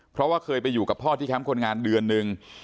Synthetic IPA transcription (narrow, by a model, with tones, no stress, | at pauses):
pʰɾɔ˦˥waː˥˩kʰɤː˧jpa˧jːuː˨˩ka˨˩pʰːɔː˥˩t̪ʰiː˥˩ɛ˦˥mkʰo˧nŋaː˧ndɯ˧ənːɯ˨˧ŋ